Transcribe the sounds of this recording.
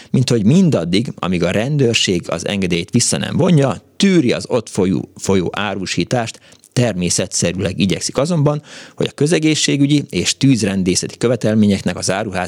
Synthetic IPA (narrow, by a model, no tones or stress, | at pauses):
mint̪ho̞ɟmind̪ɒd̪ːiɡɒ̰miɡɒɾɛnd̪øːrʃeːɡɒ̰zɛ̰ŋɡɛd̪eːjeːt̪ʋisːɒnɛ̰ɱvo̞ɲɟɒt̪yːɾiɒ̰zo̞t̪fojṵfo̞jo̰ːʔaːɾuːʃiːt̪aːʃt̪ː | ɛrmeːsɛt̪sɛɾylɛɡiɟɛ̰ksi̥kɒzo̞mbɒnho̞ɟɒkø̞zɛɡeːʃːeːɡyɟieːʃt̪yːzrɛnd̪eːsɛt̪i̥kø̞vɛt̪ɛlmeːɲɛknɛkɒzaːɾuɦaː